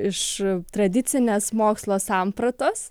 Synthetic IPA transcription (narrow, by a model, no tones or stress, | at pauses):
ɪʃt̪ɾɐd̪ʲɪt̪sʲɪnʲeːsmoːkslˠoːsɑmpɾɐt̪oːs